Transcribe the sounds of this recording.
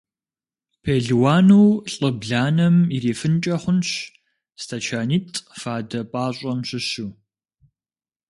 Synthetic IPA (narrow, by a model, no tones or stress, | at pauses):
pʰeːɮwaːnuːɬʼɨbɮaːnɐmiɾeːfɨnt͡ʃʼɐχʷʊnɕ | stʰat͡ʃʰaːniːtʰʼfaːdɐpʼaːɕʼɐmɕɪɕuː